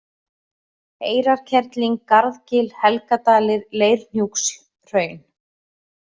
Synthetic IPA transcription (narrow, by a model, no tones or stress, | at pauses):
eːjɾaɾ̥cʰɛɾt̪liŋkaɾðcɪlhɛlkat̪aːlɪɾleːjɾ̥n̥juks | r̥œːɥn